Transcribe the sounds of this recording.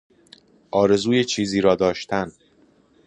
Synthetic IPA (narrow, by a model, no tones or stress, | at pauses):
ʔɒːɾe̞zuːjet͡ʃʰiːziːɾɒːd̪ɒːʃt̪ʰæn